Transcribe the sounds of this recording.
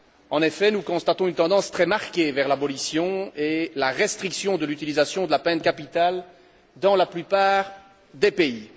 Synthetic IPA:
ɑ̃nefɛnukɔ̃st̪at̪ɔ̃ynt̪ɑ̃d̪ɑ̃st̪χɛmaʁkʲevɛʁlabɔlisjɔ̃elaʁest̪χiksjɔ̃d̪əlyt̪ilizasjɔ̃d̪əlapɛ̃t̪̚kapit̪al | d̪ɑ̃laplypaːʁ | d̪epei

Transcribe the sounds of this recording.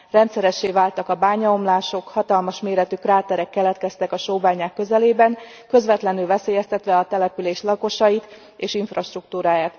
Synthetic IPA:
rɛnt̪sɛɾɛʃːeːvaːlt̪ɒkɒbaːɲɒomlaːʃo̞khɒt̪ɒlmɒʃmeːɾɛt̪ykraːt̪ɛɾɛkːɛlɛt̪kɛst̪ɛkɒʃoːbaːɲaːkːø̞zɛleːbɛŋ | kø̞zʋɛt̪lɛnylvɛseːjɛst̪ɛt̪ʋɛɒt̪ɛlɛpyleːʃlɒko̞ʃɒjit̪ | eːʃiɱfrɒʃt̪ruk̚t̪uːɾaːjaːt̪

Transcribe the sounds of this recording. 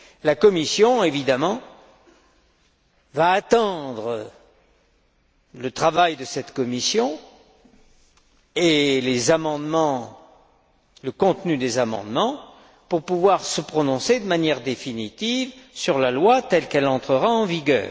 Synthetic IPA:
lakɔmisjɔ̃evid̪amɑ̃ | vaːt̪ɑ̃d̪ʁə | lət̪χavajd̪əsɛt̪kɔmisjɔ̃ | elezamɑ̃d̪mɑ̃ | ləkɔ̃t̪nyd̪ezamɑ̰̃d̪mɑ̃ | puʁpuvwaʁsəpχɔnɔ̃sed̪əmanjɛʁd̪efinit̪ivsyʁlalwat̪ɛlkɛlɑ̃t̪χəʁaɑ̃viɡʲœ̰ːʁ

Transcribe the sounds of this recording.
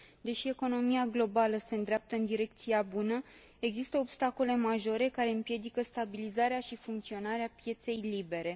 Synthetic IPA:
d̪e̞ʃie̞ko̞no̞miaɡlo̞baləse̞ɨnd̪ɾeap̚t̪əɨnd̪iɾe̞k̚t̪siabunə | e̞ɡzist̪əobst̪ako̞le̞maʒo̞ɾe̞kaɾe̞ɨmpje̞d̪ikəst̪abilizaɾeaʃifuŋkt̪sio̞naɾeapje̞t̪se̞jlibe̞ɾe̞

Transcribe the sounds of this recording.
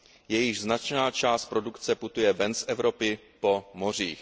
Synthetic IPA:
jɛjɪʒznat͡ʃnaːt͡ʃaːst̪̚pɾo̞dukt͡sɛput̪ujɛvɛnsʔɛvɾo̞pɪ | po̞mo̞r̝iːx

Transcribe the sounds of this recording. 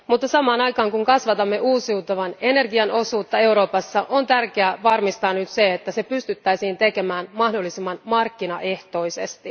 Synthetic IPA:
mut̪ːɑsɑmɑːnɑjkɑːŋkuŋkɑsʋɑt̪ɑmːe̞ʔuːsiut̪ɑʋɑne̞ne̞rɡiɑno̞suːt̪ːɑe̞wɾo̞ːpɑsːɑʔo̞nt̪ærkeæʋɑrmist̪ɑːnyt̪se̞et̪ːæse̞pyst̪yt̪ːæjsiːnt̪e̞ke̞mæːnmɑhdo̞lːisemːɑnmɑrkːinɑʔe̞ht̪o̞jse̞st̪i

